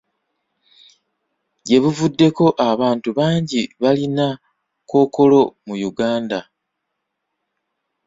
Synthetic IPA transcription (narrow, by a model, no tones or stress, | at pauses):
ɟe̞βuvudːe̞ko̞ʔaβaːntuβaːɲɟiβalina | ko̞ːko̞lo̞mujuɡaːnda